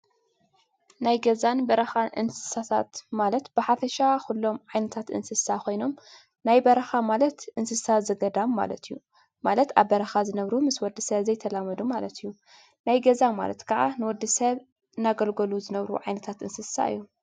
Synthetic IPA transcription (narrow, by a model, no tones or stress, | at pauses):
najɡɐzanbɐɾɐxanʔɨ̰nsɨ̥sat̪ʰa̰t̪malɐt̪b̥ɨħafɐʃakulːo̞mʕajnɐt̪ʰat̪ʔɨ̰nsɨsakʰo̞jno̞m | najbɐɾɐxamalɐt̪ʔɨnsɨsazɐɡɐd̪amːa̰lɐ̰t̪ijːu | malɐt̪aβːɐɾɐxazɨnɐβɾumɨswɔd̪ːɨsɐβzɐjt̪ʰɐlamɐd̪umalɐt̪ʰijːu | najɡɐzama̰lɐ̰t̪kʰɐʕa̰nɨwɔd̪ːɨsɐβ | ɨnːaɡɐlɡɐluzɨnɐβɾṵʕajnɐt̪ʰat̪ɨnsɨsa̰ɨ̰jːu